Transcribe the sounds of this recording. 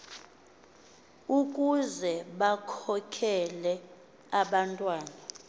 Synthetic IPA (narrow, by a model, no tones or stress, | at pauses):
ukʼuzɛɓakʰɔkʰɛlɛ | aɓantʼwaːna